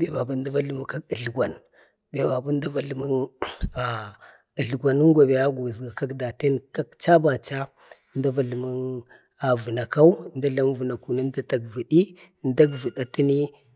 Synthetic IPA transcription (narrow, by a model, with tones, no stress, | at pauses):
be˨ba˨ba˦n˦da˦va˦lma˨ka˦kə˨ɬɡʷa˨n | be˨ba˨ba˦n˦da˦va˨lma˦ŋa˨ | ɮɡʷa˨nə˦ŋ˦ɡʷa˨be˨ja˦ɡu˨zɡa˨ka˦kda˨te˦nka˦kt͡ʃa˦ba˨t͡ʃa˦ | nda˦va˨ɬma˦ŋ | a˨vu˨na˨ka˦u˦nda˦ɮa˦m˦və˨na˨ku˨na˦n˦da˦ta˨ɡvi˨ɗi˦ | n˦da˦ɡvə˨ɗa˦ti˦ni˦